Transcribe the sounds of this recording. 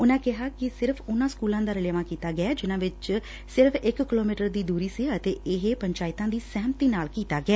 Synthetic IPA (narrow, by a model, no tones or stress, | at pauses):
ʊnãːkɪɦaːkɪsɪɾpʰʊnãːskuːlãːd̪aːɾɪleʋãːkiːt̪aːɡɪaːd͡ʒɪnãːʋɪt͡ʃ | sɪɾəpʰɪkːɪloːmiːʈəɾd̪iːd̪uːɾiːsiət̪eːɪɦeːpəɲt͡ʃaːɪt̪ãːd̪iːsɛːmt̪iːnaːlkiːt̪aːɡɪɛː